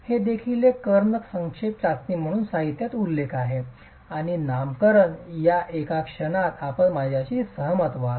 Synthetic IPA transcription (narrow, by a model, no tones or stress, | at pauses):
hed̪ekʰilekəɾɳəksə̃ŋkʂepɾat̪niːm̤əɽ̃uːnsaɦit̪jat̪ulːekʰaɦe | aɽ̃inamkəɾənjaʔekakʂəɽ̃at̪apəɳmad͡ʑʱjaɕiːsəɦəmət̪ʋa